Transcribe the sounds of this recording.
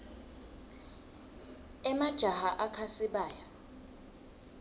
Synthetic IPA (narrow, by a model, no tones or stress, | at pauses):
ɛmad̥ʒ̥ʱahaʔakʰasiɓaːja